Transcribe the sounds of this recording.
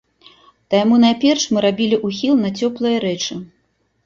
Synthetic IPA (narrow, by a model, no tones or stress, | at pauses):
t̪ɐjamunajpʲɛrʂmɨɾabʲilʲiʔuxʲilˠnɐt͡sʲɔplˠɨjɐɾɛt͡ʂɨ